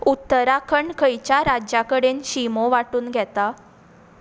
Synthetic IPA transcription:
ut̪ːəɾakʰəɳɖkʰəjt͡ɕjaɾad͡ʑjakəɽenɕimoʋaʈuːnɡʱɛt̪a

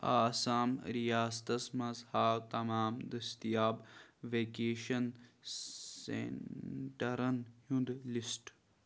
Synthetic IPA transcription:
aːsaːmɾijaːst̪ɐsmɐzhaːwt̪ɐmaːmd̪ɐst̪ijaːbʋeːkeːʃɐn | sḛʈɐɾɐnhũnd̪lisʈ

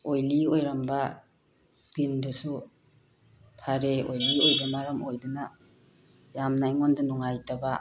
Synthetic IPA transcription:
ojliojɾamba | skindɯsu | pʰaɾeojliojbamaɾamojduna | jamnajŋondanuŋajtaba

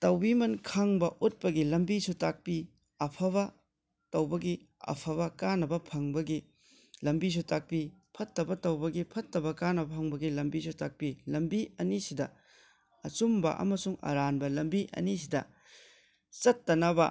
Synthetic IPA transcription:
tɐwbimɐnkʰaŋbɐʔut̚pɐɡilɐmbisutak̚pi | ɐpʰɐβɐ | tɐwbɐɡi | ɐ̰pʰɐβɐkanɐbɐpʰɐŋbɐɡi | lɐmbis̬utak̚pipʰɐtːɐbɐtɐwbɐɡipʰɐtːɐbɐkanɐbɐpʰɐŋbɐɡilɐmbisutak̚pilɐmbiɐnisidɐ | ɐt͡ʃumbɐ̰ʔɐ̰mɐsuŋɐ̰ɾanbɐlɐmbiʔɐ̰nis̬idɐ̰ | t͡ʃɐtːɐnɐbɐ

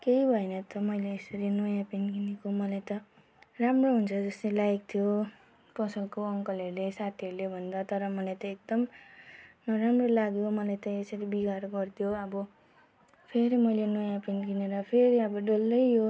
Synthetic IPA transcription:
kejbʱʌenʌt̪ʌmʌjleːsʌɾinʌjãpinɡinekomʌlajt̪ʌ | ramroɦunt͡sʰʌd͡zʌst̪elajk̚t̪ʰijo | pʌsʌlkoʌŋkʌlʌɾulesat̪ʰiʌɾulebʱʌnd̪at̪ʌɾʌmʌlajt̪ʌek̚d̪ʌm | nʌɾamrolaɡjomʌlajt̪ʌesʌɾibiɡaɾɡʌrt̪ʰjoʌbʌ | pʰeɾimʌjlenojãpinkineɾʌpʰeɾiʌbʌɖolːʌjjo

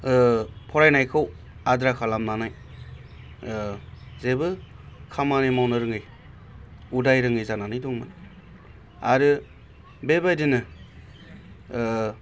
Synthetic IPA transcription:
pʰɔɾajnajkʰɯw | adɾakʰalamnanaj | zebɯ | kʰamanemawnɯɾɯŋɯj | udajɾɯŋɯjzananɯjdɔŋmɯ̰n | aɾɯ | bebajdinɯ

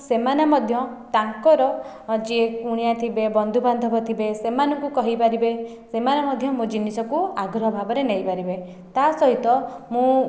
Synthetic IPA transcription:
semanamɔd̪ʱjɔʈaŋkɔɾɔ | d͡ʒiekuɽ̃ijat̪ʰibebɔnd̪ʱuband̪ʱɔbɔt̪ʰibesemanɔ̃ŋkukɔɦipaɾibe | semanamɔd̪ʱjɔmũd͡ʒinisɔkuaɡɾɔɦɔbʱabɔɾenejpaɾibe | t̪asɔɦit̪ɔmũ

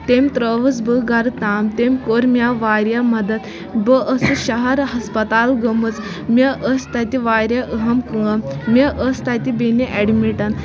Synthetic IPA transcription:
t̪emt̪ɾəʋət͡sbəɡaɾt̪aːmt̪emkoɾmʲjaʋaɾjamɐd̪ət̪ | bəʔəsɨɕɐɦɐɾɦɐspət̪alɡəmət͡s | mʲeʔəst̪at̪iʋaɾjaʔəɦɐmkəmmʲəʔəst̪at̪ibeneʔeɽmiʈɐn

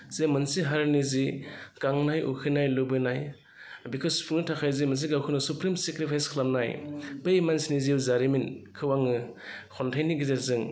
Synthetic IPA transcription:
z̥emɯnsiɦaɾniziɡ̥aŋnajʔṵkʰɯnajlɯbɯnaj | bikʰɯsu̥pʰuŋnɯtʰakʰajzemɐns̬iɡawkʰɯnɯsupɾimsekɾipʰajskʰlamnajpejmansiniziwzaɾiminkʰɯwaŋɯ | kʰɔntʰajniɡizeɾzɯŋ

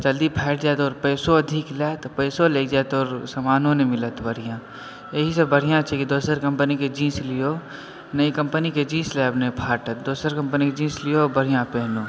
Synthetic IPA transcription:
d͡ʒɐld̪ipʰɛːʈʰd͡ʒaːt̪ɔːɾpɛːsoɐd̪ʱɪklɛːt̪pɛːsoleːkd͡ʒaːt̪ɔːɾsɐmaːnõnemɪlət̪bəɽ̤ijã | jeɦisəbbəɽ̤ijãt͡ʃʰekid̪oːsəɾkɐ̃mpəniked͡ʒĩːslɪjo | nɐikɐ̃mpəniked͡ʒĩːslɛːbnepʰaːʈət̪̚d̪oːsəɾkɐ̃mpəniked͡ʒĩːslijobəɽ̤ijãpɛɦnõ

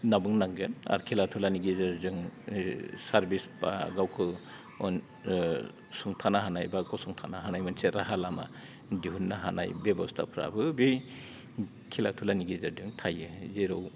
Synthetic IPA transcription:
nabɯŋnaŋɡena̰ɾkʰilatʰulaniɡizaɾzɯŋ | saɾbisba̰ɡawkʰɯ | ɔn | suŋtʰanaɦanajbakɔwsuŋtʰanaɦanajmɯnseɾaɦalama̰ | diɦunːaɦana̰jbebɔstʰa̰pʰɾa̰bɯbi | kʰilatʰulaniɡizaɾdɯŋtʰajɯzeɾɔw

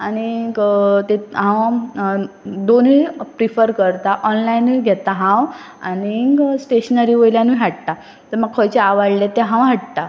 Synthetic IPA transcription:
añiɡt̪eɦãw | d̪onipɾifəɾkəɾt̪aʔɔnlainiɡʱɛt̪aɦãw | a̰ñiɡsʈeɕnaɾiʋəjljãniɦaʈt̪a | t̪əɾməɡ̚kʰɔjt͡ɕeaʋaɽlet̪ːɛ̃ɦãwɦaʈ̚t̪a

